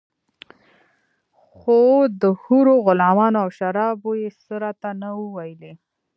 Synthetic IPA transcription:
xod̪əhuɾoɣʊlɑmɑnoawʃaɾɑbojesəɾɑt̪anawəwajəle

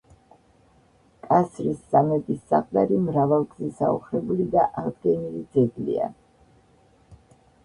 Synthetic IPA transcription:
kʼasɾisz̥amɛt̪ʼisːa̰qʼd̪aɾimɾavalˠɡzisaṵχɾɛbulid̪aʔaʁd̪ɡɛnilid̪zɛɡlḭa̰

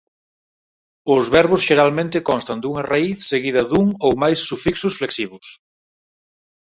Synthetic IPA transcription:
ʊzβɛɾβʊsʃeɾalmẽnt̪ɪkɔnst̪ɐnd̪uŋɐraiθseɣiðɐðuŋowmajsːufiksʊsfleksiβʊs

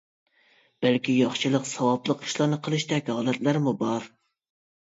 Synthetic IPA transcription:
b̥ælkʲijɑχʃɨlˠəqsɑwɑblˠəqi̥ʃlˠɑɾnɨqʰəlˠɨʃt̪ɛkʲhɑːlˠɛt̪læɾmubɑɾ

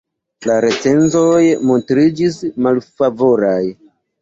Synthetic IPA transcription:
laɾe̞t͡se̞nzo̞jmo̞ntɾid͡ʒismalfavo̞ɾaj

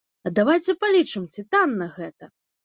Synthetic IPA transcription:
ɐd̪avajt͡sʲɛpalʲit͡ʂɨmt͡sʲit̪anːɐɣɛt̪ɐ

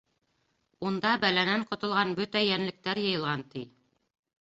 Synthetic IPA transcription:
und̪ɑbælænæɴqŏt̪ŏlˠʁɑnbɵt̪æjænlɘ̆k̚t̪æɾjɤ̆jɤ̆lˠʁɑnt̪i

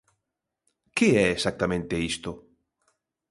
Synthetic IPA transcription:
keɛesak̚t̪amẽnt̪eist̪o

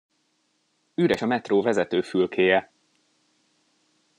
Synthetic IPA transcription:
yːɾɛʃɒmɛt̪roːvɛzɛt̪øːfylkʰeːjɛ

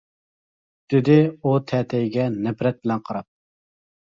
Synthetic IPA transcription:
d̪̥ɪd̪ɪut̪ʰɛt̪ʰɛjɡʲɛnɛbɾɛt̪̚bɪlɛnqʰɑɾɑp̚

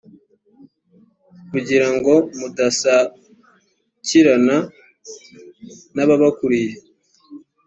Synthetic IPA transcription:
kuɟiɾaŋɡo̞mudasa | ciɾana | naβaβakuɾije

